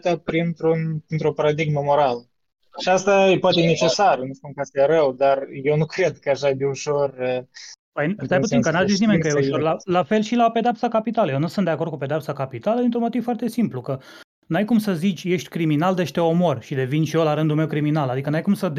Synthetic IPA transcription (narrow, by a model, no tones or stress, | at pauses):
t̪apɾint̪ɾunpɾint̪ɾopaɾad̪iɡməmoɾalə | aʃiast̪aepoat̪ene̞t͡ʃesarnuʃt̪uŋkast̪ejeɾəwd̪arjewnukɾed̪kəaʃad̪euʃorəpəjsajput̪siŋkənaszis̬nimeŋkəjeuʃolalafe̞lʃilape̞d̪eap̪̚sakapit̪aləjenusunt̪d̪eakord̪kuped̪eaptsakapit̪aləd̪int̪ɾunmo̞t̪iv̥foart̪e̞simplukə | nuajkumsəzit͡ʃʲje̞ʃt̪ʲkɾiminald̪e̞ʃt̪eo̞mo̞rʃid̪e̞vinʃiolaɾɨnd̪ulme̞wkɾiminalad̪ikənuajkumsəd̪